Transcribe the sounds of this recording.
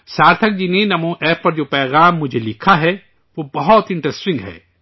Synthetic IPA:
saːɾt̪ʰɐk̚d͡ʒinenɐmũʔɛːpːɐɾd͡ʒoːpɛːɣaːmːʊd͡ʒʱelɪkʰaɦɛ | ʋoːbɐɦɔt̪ɪ̃ɳʈɾɛsʈɪ̃ŋɡɦɛ̰ː

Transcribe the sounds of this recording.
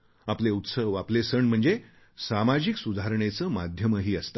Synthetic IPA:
apleut̪səʋaplesəɳm̤əɳd͡ze | samad͡ʑiksud̪ʱaɾɳet͡səmad̪ʱjəməɦiːəst̪ḁ

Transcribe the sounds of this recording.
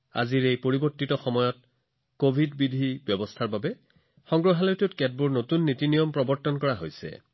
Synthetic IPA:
a̰ziɹejpoɹibɔɹtːitɔxɔmɔjɔt̚ | kobʱidbidʱibjɔbɔstʰaɹbabɛ | xɔŋɡɹɔɦalɔjtutkɛd̚buɹnotunːitinijɔmpɹɔbɔɹtɔnkɔɹaɦojsɛ̰

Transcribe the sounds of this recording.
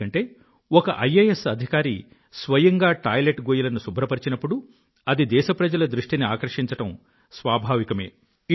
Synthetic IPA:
ɐɳʈe̞ː | ɔkɐʔɐjeːesɐd̪ʱikaːɾi | sʋɐjɐŋɡaːʈaːjleʈɡoːjilɐnusubʱɾɐpɐɾit͡ʃinɐpːuɽu | ɐd̪id̪ɛːʃɐpɾɐd͡ʒɐlɐd̪ɾuʂʈiniaːkɐɾʂiɲt͡ʃɐʈɐm | sʋaːbʱaːʋikɐme̞̰ː

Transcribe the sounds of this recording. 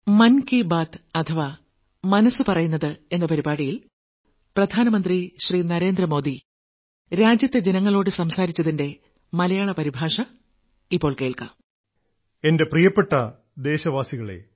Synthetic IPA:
mɐnkibaːt̪ɐt̪ʰɐʋa | mɐnɐsɨpɐrɐjunːɐðɨe̞nːɐpɐɾibaːɽijil | prɐd̪ʱaːnɐmɐnd̪riɕriːnɐɾe̞ːnd̪rɐmo̞ːd̪i | ɾaːd͡ʑjɐt̪ːe̞d͡ʑe̞nɐŋːɐɭo̞ːɽɨsɐmsaːɾit͡ɕːɐðinde̞ | mɐlɐjaːɭɐpɐɾibʱaːʂɐ | ipːo̞ːɭke̞ːɭkɐ̰m | e̞nde̞prijɐpːeʈːɐ | d̪e̞ːɕɐʋaːsiɣɐɭe̞̰

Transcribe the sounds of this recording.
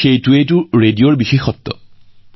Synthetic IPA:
xejtʊetʊɹedijoɹbixexɔt̪ːɔ̰

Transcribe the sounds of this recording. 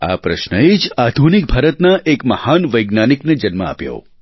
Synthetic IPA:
a̰pɾə̰ʃnəed͡ʒad̪ʱunik̚bʱaɾət̪naʔekməhanʋəjɡnanikned͡ʒənməa̰pjo̰

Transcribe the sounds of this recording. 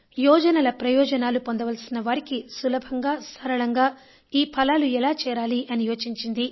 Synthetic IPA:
jɔːd͡ʒɐnɐlɐpɾɐjɔːd͡ʒɐnaːlupo̞nd̪ɐʋɐlsinːɐʋaːɾikisulɐbʱɐŋɡaːsɐɾɐɭɐŋɡaː | iːpʰɐlaːluɛlaːt͡ʃɛːɾaːliʔɐnijoːt͡ʃiɲt͡ʃind̪i

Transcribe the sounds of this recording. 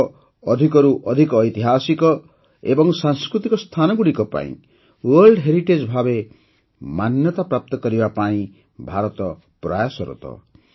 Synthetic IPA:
ɔd̪ʱikɔɾuʔɔd̪ʱikɔːjt̪iɦasikɔ | ḛbɔŋsaŋskɾut̪ikɔst̪ʰanɔɡuɽikɔpa̰ḭ̃ | wɔɾlɖɦeɾiʈed͡ʒbʱabe | manjɔt̪apɾap̚t̪ɔkɔɾibapaĩ | bʱaɾɔt̪ɔ | pɾajasɔɾṵt̪ɔ̰

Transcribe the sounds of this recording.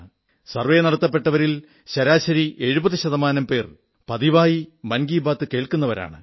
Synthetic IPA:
sɐrʋejnɐɽɐt̪ːɐpːe̞ʈːɐʋɐɾil | ɕɐɾaːɕɐɾiʔe̞ɻubɐðiɕɐðɐmaːnɐmpe̞ːr | pɐðiʋaːjimɐnɡiːbaːt̪ːɨke̞ːɭkunːɐʋɐɾa̰ːɳɨ̰

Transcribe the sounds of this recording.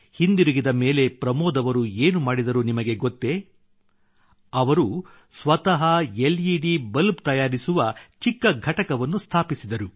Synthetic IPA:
hind̪iɾuɡid̪ɐme̞ːle̞pɾɐmɔːd̪ɐʋɐɾueːnumaːɽid̪ɐɾunimɐɡe̞ɡot̪ːe̞ | ɐʋɐɾu | sʋɐt̪ɐɦɐeliɖibɐlbt̪ɐjaːɾisuʋɐt͡ʃikːɐɡʱɐʈɐkɐʋɐnːust̪ʰaːpisid̪ɐɾu

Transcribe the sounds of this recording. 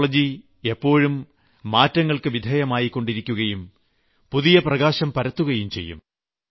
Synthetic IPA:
ɭɐd͡ʑi | e̞pːo̞ːɻumː | aːtːɐŋːɐɭkɨʋid̪ʱeːjɐmaːjikːo̞ɳɖiɾikʲːuɣɐjum | puðijɐprɐɣaːɕɐmpɐɾɐt̪ːuɣɐjumt͡ɕe̞̰jːṵm

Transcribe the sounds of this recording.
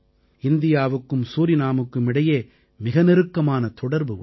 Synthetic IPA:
ɪnd̪ɪjaːʋɯkːɯmsuːɾɪnaːmɯkːɯmɪɽɐjeː | mɪɣɐnɪɾɯkːɐmaːnɐt̪ɔɽɐɾbɯ

